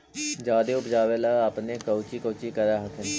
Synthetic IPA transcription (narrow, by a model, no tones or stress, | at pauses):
d͡ʒaːd̪eːʊpd͡ʒaːʋeːlaːapneːkəʊt͡ʃiːkəːt͡ʃiːkəɾaːɦəkʰɪn